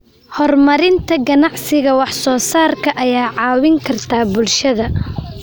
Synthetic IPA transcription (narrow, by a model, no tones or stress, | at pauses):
hɔrmɐɾɪnt̪ʰɐɡɐnɑʕsɪɣɐwɑħsɔːsaːrkʰɐʔɐjaːʕɑːwɪŋkʰɐrt̪ʰaːbʊlʃɐðɐ